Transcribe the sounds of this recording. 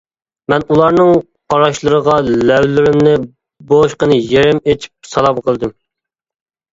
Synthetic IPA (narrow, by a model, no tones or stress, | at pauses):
mɛnulˠɑɾnɨŋ | qʰɑɾɑʃlˠɨɾəʁɑlɛwlɪɾɪmnɪ | boʃqənɨjeɾɪmet͡ʃʰi̥p̚sɑlˠɑmqʰəlˠd̪ɨm